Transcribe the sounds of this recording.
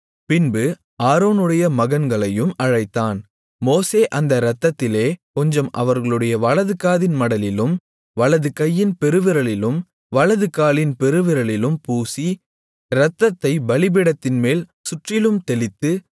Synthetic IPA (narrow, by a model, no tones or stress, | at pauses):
pɪnbɯ | aːɾoːnɯɽɐjɐmɐɣɐnɡɐɭɐjɯmɐɻɐɪt̪ːaːn | moːseːʔɐnd̪ɐɾɐt̪ːɐt̪ːɪleːkɔɲd͡ʒɐmɐʋɐɾɣɐɭɯɽɐjɐʋɐɭɐðɯkaːðɪnmɐɽɐlɪlɯm | ʋɐɭɐðɯkɐjːɪnpɛɾɯʋɪɾɐɭɪlɯm | ʋɐɭɐðɯkːaːlɪnpɛɾɯʋɪɾɐɭɪlɯmpuːsi | ɾɐt̪ːɐt̪ːɐɪbɐɭɪbɪɽɐt̪ːɪnmeːlsʊʈrɪlɯmt̪ɛlɪt̪ːɯ